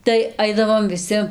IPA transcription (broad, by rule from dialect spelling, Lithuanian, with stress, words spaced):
tɐɪ ˈɐɪdɐʋoːm ʋʲɪˈsʲɪ